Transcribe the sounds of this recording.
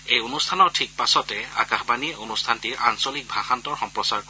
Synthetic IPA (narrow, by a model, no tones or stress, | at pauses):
ejonustʰanɔɹtʰik̚pasɔtɛa̰kaxbaniʔonustʰantiɹʔansolik̚bʱaxantɔɹxɔmpɹɔsaɹkɔ